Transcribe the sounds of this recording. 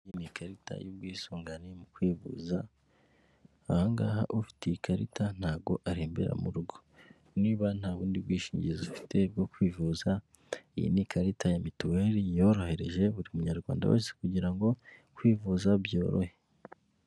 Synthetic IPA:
jinikaɾita̰jub̚ɡwiːsuːŋɡanimukwiːvṵza | haŋɡa̰ːɦa̰ʔufi̥tejikʰaɾḭtʰan̥haːbɡo̞ʔaɾiːmbiɾa̰muɾuɡo̞ | niːβan̥haːβuːndib̚ɡwiːʃiːɲɟizufi̥te̞b̚ɡo̞kwiːvuːza | ijḭnikʰaɾitajamituwe̞ːɾijo̞ɾo̞he̞ɾe̞̰ʒe̞βuɾimumuɲaɾɡwa̰ːnda̰wʔḛːse̥kuɟiɾaŋɡo̞kwiːvuzabjo̞ːɾo̰he

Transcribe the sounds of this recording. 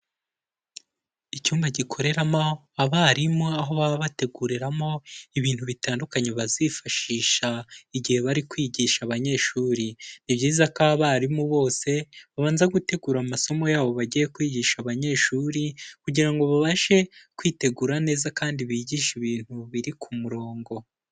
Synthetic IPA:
icuːmbaɟikʰo̞ɾe̞ɾama | aβaɾimoaɦo̞βaβaβate̞ɡuːɾiɾamo̞iβiːn̥huβitaːndukaɲe̞βazifaʃiːʃaiɟihe̞βaɾikwiːɟiːʃaβaɲe̞ʃuːɾiniβɟiːzakaβaɾimuβo̞ːse̞βaβaːnzeɡute̞ɡuːɾamaso̞mo̞jaːβo̞βaɟijekwiːɟiːʃaβaɲe̞ʃuːɾikuɟiɾaŋɡo̞βaβaʃe̞kwiːte̞ɡuːɾane̞ːzakaːndiβiɟiːʃiβiːn̥huβiɾikʰumuɾo̞ːŋɡo̞

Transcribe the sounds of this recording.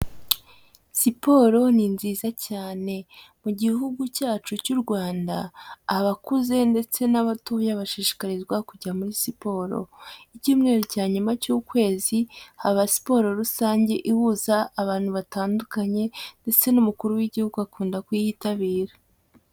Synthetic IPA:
sipo̞ɾo̞ninziːzacaːne̞muɟiɦuɡucaːt͡ʃucuɾɡwaːnda̰ːβakuze̞nde̞t͡se̞naβatujaβaʃiːʃi̥kaɾizɡwakuɟamuɾisipo̞ːɾo̞̰icuːmŋe̞ɾocaːɲumacuːkwe̞ːzihaβasi̥po̞ɾo̞ɾusaːɲɟe̞ʔihuzaːβaːnhuβataːndukaɲe̞nde̞t͡se̞numukuɾuwiɟihuɡuakuːndakwijitaβiːɾa

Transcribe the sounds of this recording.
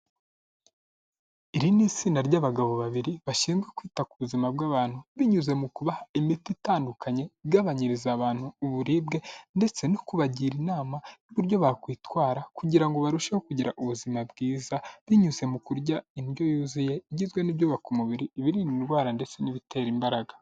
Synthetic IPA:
iɾinit͡siːnaɾɟaβaɡaβo̞βaβiɾiβaʃiːnzɡwekwiːtakuβuzimab̚ɡaːβaːn̥huβiɲuze̞mukuβahaimititaːndukʰaɲe̞iɡaβaɲiɾizaβaːn̥huːβuɾiːbɡe̞nde̞t͡se̞nokuβaɟiːɾinaːmajuβuɾɟo̞βakwiːtwaːɾakuɟiɾaŋɡo̞βaɾuʃehokuɟiɾaʔuβuzimabɡiːzaβiɲuze̞mukuɾɟainjo̞juːzije̞iɟizɡwe̞nibjoβakumuβiɾiːβiɾininɡwaːɾande̞t͡se̞niβitʰe̞ːɾimbaɾaɡḁ

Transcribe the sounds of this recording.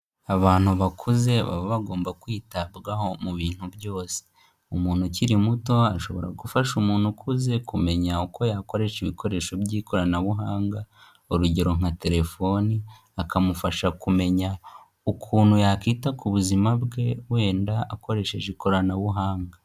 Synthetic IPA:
aβaːn̥uβakʰuze̞βa̰βoβaɡo̞ːmbakwiːtabɡaho̞muβiːn̥hubjo̞ːse̥ | umuːn̥huciɾimuto̞aʃo̞βo̞ɾaɡufaʃumuːn̥hukʰuze̞kume̞ɲaukʰo̞jaːko̞ɾe̞ʃiβikoɾe̞ːʃo̞bjiːko̞ɾanaβuɦaːŋɡa | oɾuɟeɾo̞ŋ̥ate̞ɾe̞fo̞ni | akamufaʃakume̞ɲa | ukʰuːn̥hujakiːtakuβuzimabɡe̞we̞ːndaako̞ɾe̞ʃe̞ʒeko̞ɾanaβuɦaːŋɡa

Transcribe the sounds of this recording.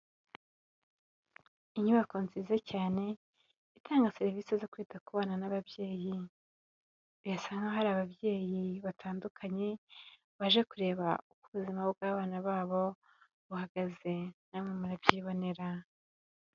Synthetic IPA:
iɲuβako̞nzizacaːne̞ | itʰaːŋɡaseɾiviːsezo̞kwiːtakuβaːnanaβabje̞ːji | ijasaŋɡoɦaɾaːβabje̞ːjiβatʰaːndukʰaɲe̞ | βaʒe̞kuɾe̞ːβaukuβuzimaob̚ɡaːβaːnaβaːβo̞ | βuhaɡ̥aze̞namŋemuɾabjiːβo̞ne̞ɾa

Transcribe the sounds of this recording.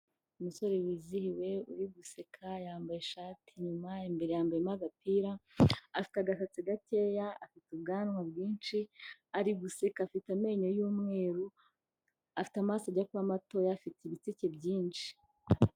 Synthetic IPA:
umuso̞ɾewiːzihiwe̞ṵɾiɡuse̞kʰajaːmbajeʃaːtʰiɲumaembe̞ɾe̞jambeɾemaɡapiːɾaafi̥taɡaʃat͡siɡate̞jaːfitubɡaːnŋwabɡiːnt͡ʃiaɾiɡusekafitame̞ːɲojuːmŋe̞ːɾu | afi̥tamaːsaɟakuβamato̞jaːfitiβit͡sice̞bɟiːnʃi̥

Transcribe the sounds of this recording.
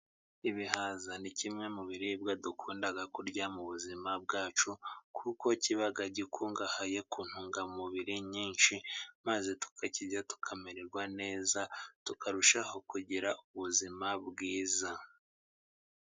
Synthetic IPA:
iβihazanicimŋe̞muβiɾibɡadukʰuːndaɡakuɾɟamuβuzimab̚ɡaːt͡ʃukʰuko̞ciβaɡaɟikʰuŋɡahaje̞kuːn̥huŋɡamuβiɾiɲiːnʃimazetu̥kʰaciɟatu̥kʰameɾeɾɡwane̞ːzatukaɾuʃaho̞kuɟiɾauβuzimabɡiːza

